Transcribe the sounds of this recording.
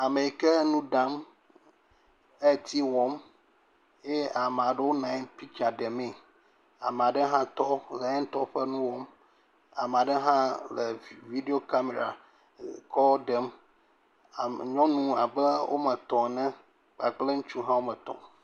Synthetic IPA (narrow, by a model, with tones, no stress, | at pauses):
a˨me˨kɛ˦nũ˦ɖã˦m | e˦˨t̪ʰi˦wɔ˦m | je˦a˨m˨a˨ɖe˦wo˦nã˨˦npi˦t͡ʃa˨ɖɛ˨me˨ | a̰˨m˨a˨ɖɛ˦ɦã˦t̪ɔ˦lɛ˨˦ɛ˦n˦t̪ɔ˦ɸɛ˦nũ˦wɔ˦m | a˨m˨a˨ɖɛ˦ɦã˦lɛ˨vi˦de˦o˦˨ka˦me˨ɾa̰˨ | kɔ˦ɖɛ˨˦m˨ | ɲɔ̃˦nũ˦a˨bɛ˦wo̰˦mɛ̃˨t̪ɔ̃˨nɛ̃˦ | k͡pa˨ɡ͡ble˦ŋ̩̃˦t͡ʃu˦ɦã˦wo˦mɛ̃˨t̪ɔ̰̃˨